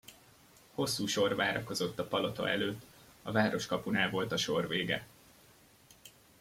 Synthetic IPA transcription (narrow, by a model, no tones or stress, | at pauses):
ho̞sːuːʃo̞rvaːɾɒko̞zo̞t̪ːɒpɒlo̞t̪o̰ɛ̰løːt̪ː | ɒvaːɾo̞ʃkɒpunaːlvo̞lt̪ɒʃo̞rveːɡɛ̰